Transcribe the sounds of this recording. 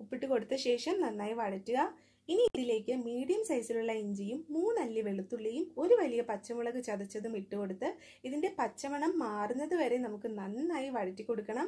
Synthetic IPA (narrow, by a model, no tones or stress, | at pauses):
upːiʈːuko̞ɽut̪ːɨɕe̞ːʂɐmnɐnːaːjiʋɐɻɐtːuɣɐ | iniiðile̞ːkːɨmiːɽijɐmsɐjsiluɭːɐeɲd͡ʑijumːuːnɐlːɨʋe̞ɭut̪ːuɭːɐjumo̞ɾuʋɐlijɐpɐt͡ɕːɐmuɭɐɣɨt͡ɕɐðit͡ɕːɐðumiʈːuko̞ɽut̪ːɨ | iðinde̞pɐt͡ɕːɐmɐɳɐmːaːrunːɐðɨʋɐɾe̞nɐmukːɨnɐnːaːjiʋɐɻɐtːikʲːo̞ɽukːɐɳɐm